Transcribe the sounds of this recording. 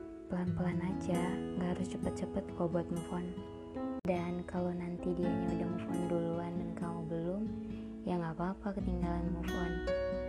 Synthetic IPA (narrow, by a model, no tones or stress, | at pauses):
pəlanpəlanad͡ʒaŋɡaɦaɾʊst͡ʃəpət̪̚t͡ʃəpət̪̚kɔbɔt̪̚mufɔn | dankalonant̪idiaɲaudahməfɔnduluandankamubəlʊm | jaŋapaːpakət̪iŋɡalanmufɔn